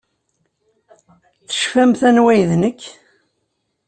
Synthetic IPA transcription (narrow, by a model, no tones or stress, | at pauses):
θə̥ʃfæmθænwæjðnəkː